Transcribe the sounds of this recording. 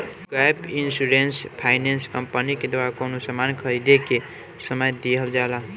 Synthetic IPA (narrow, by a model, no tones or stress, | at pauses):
ɡajpinsuɾenspʰaɪnenskəmpəniked̪waɾakonosəmankʰəɾid̪eke | səməjd̪eɦəld͡ʒala